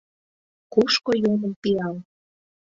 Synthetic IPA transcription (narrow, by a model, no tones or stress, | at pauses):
kuʃkojoməmpiɑl